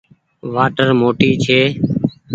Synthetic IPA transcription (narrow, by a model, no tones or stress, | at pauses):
ʋaːʈəɾmoːʈiːt͡ʃʰeː